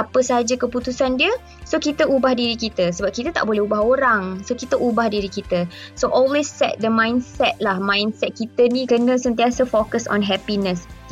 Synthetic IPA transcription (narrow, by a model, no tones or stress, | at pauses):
apəsəɦad͡ʒakəput̪usandiə | sokit̪əubahdiɾikit̪əsəbap̚kit̪ət̪a̰ʔbolɛubaɦoɾaŋsokit̪əʔubahdiɾikit̪əsoʔɔlwesːɛ̰t̪̚d̪əmãjnsɛt̪̚lahmãjnsɛt̪̚kit̪ənĩkənə̃sənt̪̬iasəfokəsɔ̰̃nɦɛpinə̃s